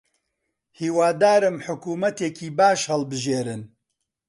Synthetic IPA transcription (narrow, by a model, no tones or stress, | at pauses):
hiːwaːd̪aːɾɨmħʊkuːmɐt̪eːkʰiːbaːʃhɐlbɨʒeːɾɨn